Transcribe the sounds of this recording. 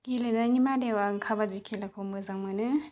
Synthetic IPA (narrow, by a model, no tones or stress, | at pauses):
ɡilɯnaŋimadewaŋkʰabad͡ʒikʰelakʰomɯzaŋmɯnɯ